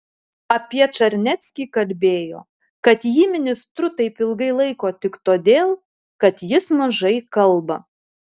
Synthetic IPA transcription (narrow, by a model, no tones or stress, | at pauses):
ɐpʲiɛt͡ʃɐɾʲnʲɛt̪ʲsʲkʲiːkɐlʲbʲeːjo̰ː | kɐt̪jiːmʲɪnʲɪst̪ɾʊt̪ɐɪpɪlˠɡɐɪlˠɐɪkoːt̪ʲɪkt̪oːd̪ʲeːlˠ | kɐt̪jɪsmɐʒɐɪkɐlˠbɐ